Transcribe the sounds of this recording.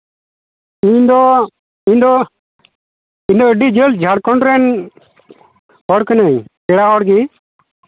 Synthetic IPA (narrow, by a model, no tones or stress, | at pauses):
iɲd̪ɔ | ĩɲd̪ɔ | ind̪ɔəɖid͡ʒəld͡ʒʱaɽkɔɳɖɾɛn | pɔɾknəjkɛɽaɔɽɡi